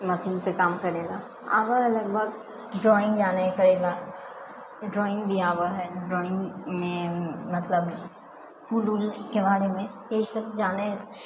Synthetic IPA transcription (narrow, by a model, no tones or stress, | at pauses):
mɐsiːnpekaːmkɐɾeːla | a̰ːʋəlɐɡbʱɐɡ̚ | ɖɾɔːɪ̃ŋɡd͡ʒaːnekɐɾeːlaː | ɖɾɔːɪ̃ŋɡbʱiaːʋəɦɛɖɾɔːɪ̃ŋɡmẽmɐt̪ləb | puːlulkebaːɾemẽeːsɐbd͡ʒaːne